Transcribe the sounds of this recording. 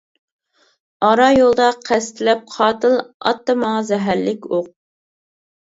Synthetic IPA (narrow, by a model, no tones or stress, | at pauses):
ɑɾɑjolˠd̪ɑqʰæst̪ʰɪlɛp̚qʰɑːt̪ɨlˠɑ̰t̪ːɑmɑŋɑzɛɦæɾːɪkʲoq̚